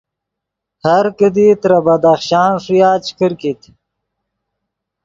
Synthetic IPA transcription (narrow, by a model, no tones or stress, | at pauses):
haɾkəd̪it̪ɾabad̪axʃɑːnʂujaːt͡ɕkəɾkit̪